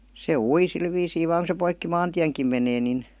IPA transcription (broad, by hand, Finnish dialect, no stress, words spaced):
se ui sil ʋiːsiː ʋɑːŋ ku se poikːi mɑːntiæŋkim meneː nin